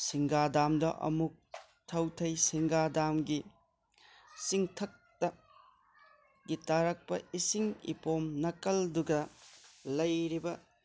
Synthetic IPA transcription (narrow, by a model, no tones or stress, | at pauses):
siŋɡadamdɐ̰ʔɐ̰muk̚ | tʰɐwtʰɐjsiŋɡadamɡi | siŋtʰɐk̚tɐ | ɡitaɾɐk̚pɐisiŋḭpomnɐkɐlduɡɐ | lɐjɾibɐ